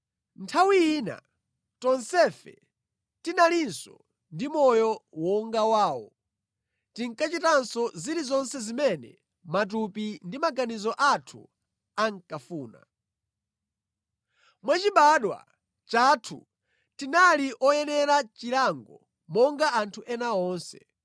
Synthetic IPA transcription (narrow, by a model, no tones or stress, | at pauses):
ntʰawiiːna̰ | tɔnsɛfɛ̰ | tinalinsɔ | ndimɔjɔwɔŋɡawaːwɔ̰ | tiŋkat͡ʃitansɔziɾizɔnsɛzimɛnɛ̰ | mat̬upindimaɡanizɔʔatʰṵ | aŋkafuːna̰ | mwat͡ʃiɓaɗwa̰ | t͡ʃatʰṵ | tinaliʔɔjɛnɛɾat͡ʃiɾaŋɡɔ | mɔŋɡaantʰuʔɛnaɔːnsɛ̰